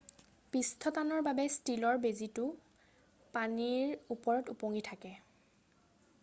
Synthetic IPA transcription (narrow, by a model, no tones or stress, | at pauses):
pistʰɔtanɔɹbabɛstilɔɹbezitʊ | paniɹupɔɹɔtupoŋitʰakɛ